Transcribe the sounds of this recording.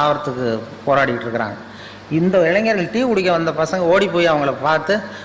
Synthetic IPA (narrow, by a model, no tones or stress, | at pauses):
aːʋɐɾɐt̪ːɯkːɯpoːɾaːɽɪjʈːɪɾɯkːɪɾa̰ːŋɡɐ | ɪnd̪ɐɪɭɐŋɡɐːɾɣɐɭʈiːkʊɽɪkːɐʋɐnd̪ɐpɐsɐŋɡɐoːɽipːoːjɐʋɐŋɡɐɭɐpaːɾt̪ɯ